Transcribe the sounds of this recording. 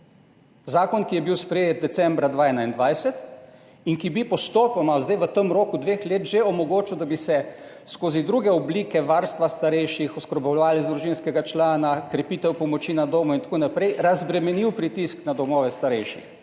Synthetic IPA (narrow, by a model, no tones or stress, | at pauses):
zaːkɔnkijɛbiwspɾejet̪̚d̪ɛsɛmbɾad̪ʋaːɛnaind̪ʋajsɛt̪ | iŋkibipɔst̪oːpɔmazd̪ajʋət̪əmɾoːkud̪ʋeːxleːt̪ʒeɔmɔɡoːt͡ʃiwd̪abisɛ | skoːzid̪ɾuːɡɛɔbliːkɛʋaɾst̪ʋast̪aɾɛjʃixɔskɾɔbɔwlʋaːlɛzd̪ɾuʒinskɛɡat͡ʃlaːnakɾɛpiːt̪ɛwpɔmɔt͡ʃinad̪oːmɔint̪ḁkoːnapɾɛjɾazbɾɛmɛniwpɾit̪isknad̪ɔmɔːʋɛst̪aɾɛjʃḭx